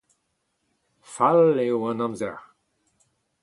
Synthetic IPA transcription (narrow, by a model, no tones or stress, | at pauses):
falewãnãmzɛ̰ʁ